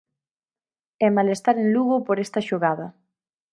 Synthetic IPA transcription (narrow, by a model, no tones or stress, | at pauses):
ɛmalest̪aɾenluɣʊpoɾɛst̪ɐʃoɣaðɐ